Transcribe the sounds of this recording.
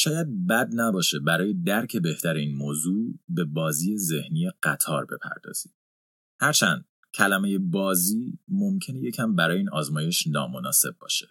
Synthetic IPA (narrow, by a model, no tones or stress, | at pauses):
ʃɒːjæd̪̚bæd̪̚næbɒːʃe̞bæɾɒːjed̪æɾcʰe̞be̞ht̪ʰæɾeiːnmoːzuːbe̞bɒːziːje̞ze̞hnijeɢ̥æt̪ʰɒːɾbe̞pʰæ̰ɾd̪ɒ̰ːz̥i̥ː | hæɾt͡ʃʰænd̪̥̚ | cʲʰælæmeje̞bɒːziːmo̞mcʰe̞neje̞cʰæmbæɾɒːjeiːnɒːzmɒːje̞ʃnɒ̰ːmo̞nɒːse̞b̚bɒ̰ːʃe